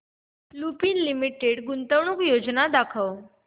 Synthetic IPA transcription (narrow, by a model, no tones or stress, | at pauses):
lupiːnlimiʈeɽɡunt̪əʋɳuːkjod͡znad̪akʰəw